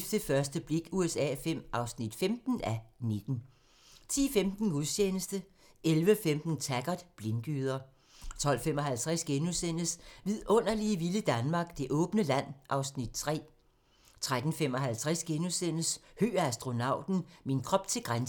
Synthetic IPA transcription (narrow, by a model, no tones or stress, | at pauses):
fd̥əfɶɐsd̥əb̥le̝ɡ̥uesɛ̰ːfem̰ʔɑ̈ʊsnid̥femd̥n̩æne̝d̥n̩ | t͡sʰḭːfemd̥n̩uðˠɕeːnəsd̥ə | elʋəfemd̥n̩t͡sʰæɡ̥ɐd̥ˠb̥lenɡ̥yːð̞ˠɐ | t͡sʰɒ̽l̰fem̰ɒ̽ɦælt͡sʰʁɛsɡ̥enusen̰əsʋið̞ˠʔɔ̽n̰ɐliəʋiləd̥ænmɑ̈ːɡ̥̚d̥e̝ʔɔ̽ːb̥nəlæn̰ʔɑ̈ʊsnid̥̚t͡sʰʁɛ̰ː | t͡sʰʁad̥n̩femɒ̽ɦælt͡sʰʁasɡ̥enusen̰əshø̰ːɐæsd̥ʁo̝nɑ̈ʊ̰d̥n̩minkʰʁɒ̽b̥t͡sʰe̝lɡ̥ʁan